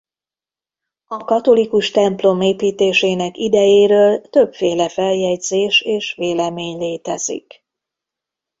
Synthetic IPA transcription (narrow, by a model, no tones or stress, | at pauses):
ɒkɒt̪o̞likuʃt̪ɛmplo̞meːpiːt̪eːʃeːnɛkid̪ɛjeːɾøːlt̪ø̞bfeːlɛfɛljɛɟzeːʃeːʃʋeːlɛmeːɲleːt̪ɛz̥ḭk